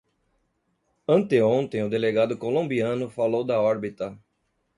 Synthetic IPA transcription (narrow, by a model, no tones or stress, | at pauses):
ɐ̃nt̪eõnt̪ẽj̃ʊd̪eleɡad̪ʊkolõmbiɐ̃nʊfalowd̪ɐɔɾbit̪ɐ